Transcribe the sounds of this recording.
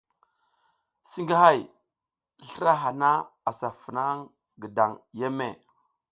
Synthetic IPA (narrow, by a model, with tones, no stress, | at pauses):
si˦ŋɡa˦ha˦˨j | ɬə˦ɾa˦ɦa˨na˦a˨sa˨fə˨na˦ŋ | ɡə˨da˨ŋje˦me˦˨